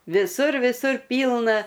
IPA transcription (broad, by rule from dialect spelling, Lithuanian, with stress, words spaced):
ʋʲɪˈsʊr ʋʲɪˈsʊr ˈpʲiːlˠnɐ